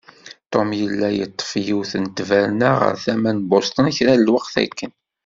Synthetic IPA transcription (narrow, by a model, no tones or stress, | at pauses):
t̪ˤomjəlːæjət̪ˤːə̥fjiwθənt̪ːvæɾnəʁə̰ɾθæmænbost̪ˤənçɾælwəqθæ̰kːən